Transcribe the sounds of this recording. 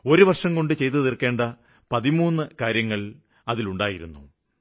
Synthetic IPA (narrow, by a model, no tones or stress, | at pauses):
o̞ɾuʋɐrʂɐŋko̞ɳɖɨt͡ɕe̞jt̪̬ːɨðirke̞ːɳɖɐ | pɐðimuːnːɨkaːɾjɐŋːɐɭ | ɐðiluɳɖaːjiɾṵnːu